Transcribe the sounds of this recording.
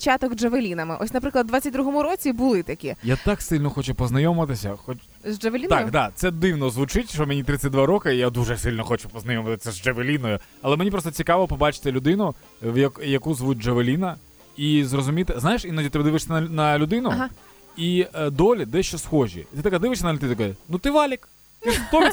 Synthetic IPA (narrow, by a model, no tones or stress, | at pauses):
t͡ʃat̪ɔɡʐeʋelʲinɐmɪʔɔsʲnɐpɾɪklˠɐd̪d̪ʋatʲt͡sʲɐt̚ʲd̪ɾuɦɔmʊɾɔt͡sʲibʊlˠɪt̪ɐkʲijat̪ɑksɪlʲnɔxɔt͡ʃʊpɔznɐjɔmɪt̪ɪsʲɐ̰xɔt͡ʃ | zd͡ʒeʋelʲinaʊkd̪at̪sɛd̪ɪwnɔzʋʊt͡ʃɪtʲʃɔmʲenʲit̪ɾɪt͡sʲɐt̚ʲd̪ʋaɾɔkɐjad̪uʐɛsɪlʲnɔxɔt͡ʃʊpɔznɐjɔmɐt̪ɪsʲɐzd͡ʒeʋelʲinɔjʊ | ɐlˠɛmenʲipɾɔst̪ɔt͡sʲikɑʋɔpɔbɑt͡ʃɪ̥t̪ɪlʲʊd̪ɪnʊ | ʋjɐkjɐkuzʋut̚ʲd͡ʒeʋelʲinɐ | izrɔzʊmʲit̪ɪznajɪʃinɐdʲit̪ɪbɛd̪ɪʋɪʂsʲɐnɐnɐlʲʊd̪ɪnʊɦ | id̪ɔlʲid̪ɛʃt͡ʃɔsxɔʒʲḭt̪ɪt̪ɐkad̪ɪʋɪʃʲsʲɐnɐlʲʊd̪ɪnknut̪ɪʋɑlʲik | t̪ɪt̪ɔʋʲ